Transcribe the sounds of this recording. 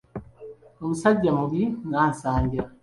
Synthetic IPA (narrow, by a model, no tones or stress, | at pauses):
omusaɟːamuβiŋaːnsaːɲɟiɾa